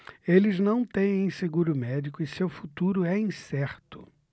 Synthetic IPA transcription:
elɪznɐ̃w̃t̪ẽj̃ẽj̃seɡuɾʊmɛd͡ʒikʊɪsewfut̪uɾʊɛĩsɛɾt̪ʊ̥

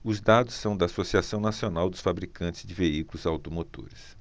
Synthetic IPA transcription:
ʊzd̪ad̪ʊsːɐ̃w̃d̪ɐːsosiasɐ̃w̃nasionawd̪ʊsfabɾikɐ̃nt͡ʃɪ̥zd͡ʒɪveikulʊzawt̪omot̪o̰ɾɪs

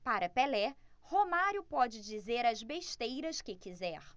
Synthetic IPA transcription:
paɾɐpelɛ | homaɾjʊpɔd͡ʒɪd͡ʒizeɾɐzbeʃt̪ejɾɐskɪkizɛɾ

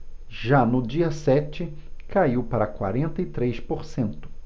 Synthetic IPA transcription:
ʒanʊd͡ʒiɐsɛt͡ʃɪ | kaiwpaɾɐkwa̰ɾẽnt̪ɐɪt̪ɾejspoɾsẽnt̪ʊ̥

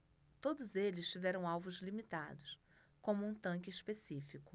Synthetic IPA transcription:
t̪od̪ʊzelɪst͡ʃivɛɾɐ̃w̃awvʊzlimit̪a̰d̪ʊs | kõmʊũt̪ɐ̃ŋkɪiʃpesifikʊ

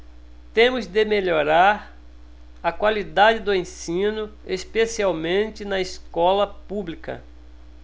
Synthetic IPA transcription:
t̪ẽmʊzd̪ɪmeʎoɾaɾ | ɐkwalid̪ad͡ʒɪd̪ʊẽsĩnʊespesiawmẽnt͡ʃɪnɐeskɔlɐpublikɐ̰

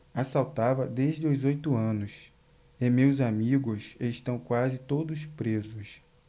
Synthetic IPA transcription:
asawt̪avɐd̪eʒd͡ʒɪuzojt̪ʊɐ̃nʊs | emewzamiɡʊseʃt̪ɐ̃w̃kwazɪt̪od̪ʊspɾezʊs

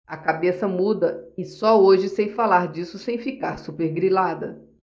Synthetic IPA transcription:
ɐkabesɐmud̪ɐɪsɔoʒɪsẽj̃falaɾd͡ʒisʊsẽj̃fikaɾsupeɾɡɾilad̪ɐ

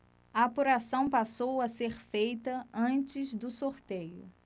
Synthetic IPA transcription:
ɐːpuɾasɐ̃w̃pasowɐseɾfejt̪ɐɐ̃nt͡ʃɪzd̪ʊsoɾt̪ejʊ

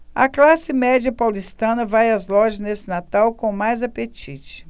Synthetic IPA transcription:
ɐ̰klasɪmɛd͡ʒɐpawlist̪ɐ̃nɐvajɐzlɔʒɐznesɪnat̪awkõmajzapet͡ʃit͡ʃɪ̥

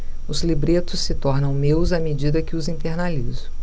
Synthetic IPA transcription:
ʊzlibɾet̪ʊsːɪt̪ɔɾnɐ̃w̃mewzɐmed͡ʒid̪ɐkɪʊzĩt̪eɾnalizʊ

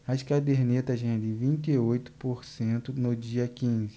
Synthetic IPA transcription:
ɐɪʃkad̪eɾnet̪ɐʒẽd̪ɪvĩnt͡ʃ̪iojt̪ʊ̥poɾsẽnt̪ʊnʊd͡ʒiɐkĩzɪ

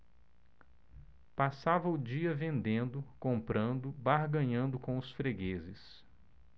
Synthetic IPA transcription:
pasavɐʊd͡ʒiɐvẽnd̪ẽnd̪ʊkõmpɾɐ̃nd̪ʊbaɾɡɐ̃ɲɐ̃nd̪ʊkõw̃ʊsfɾeɡezɪs

